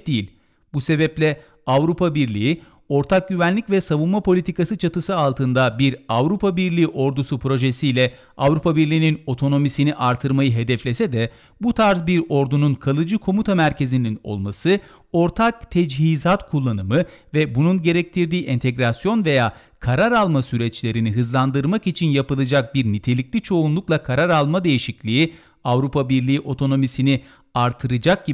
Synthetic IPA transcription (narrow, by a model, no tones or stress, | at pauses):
d̪ijilʲ | buse̞bɛplʲɛ | avɾupʰabiɾlʲiji | o̞ɾt̪ʰak̚ɟyvænlʲicvɛsavunmapʰo̞lʲit̪ikasɯt͡ʃʰat̪ɯsɯalˠt̪ʰɯnd̪abiɾavɾupʰabiɾlʲiːʔo̞ɾd̪usupʰɾo̞ʒe̞sijlʲɛ | avɾupʰabiɾlʲiːnino̞t̪ʰo̞no̞misiniʔaɾt̪ʰɯɾmajɯɦe̞d̪ɛflʲesɛd̪ɛ | but̪ʰaɾzbiɾo̞ɾd̪ununkʰalˠɯd͡ʒɯkʰo̞mut̪ʰamæɾcʰe̞zinino̞̰lˠmasɯ | o̞ɾt̪ʰak̚t̪ʰɛd͡ʒɦizat̪kʰulˠːanɯmɯvɛbununɟe̞ɾɛc̚t̪ʰiɾd̪iːʔɛnt̪ʰeɡɾasjo̞nve̞jaː | kʰaɾaɾalˠmasyɾɛt͡ʃlʲe̞ɾiniɦɯzlˠand̪ɯɾmakit͡ʃʰinjapɯlˠɯd͡ʒak̚biɾnit̪ʰe̞lʲiclʲit͡ʃʰo̞unlˠuklˠakʰaɾaɾalˠmad̪e̞jiʃiclʲii | avɾupʰabiɾlʲiːiʔo̞t̪ʰo̞no̞misini | aɾt̪ʰɯɾɯd͡ʒak̚ɟi